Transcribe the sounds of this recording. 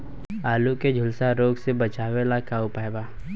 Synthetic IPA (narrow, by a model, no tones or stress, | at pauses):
aːluked͡ʒʱʊlsaɾoːɡsebɐt͡ʃaːwelakaʊpaːebaː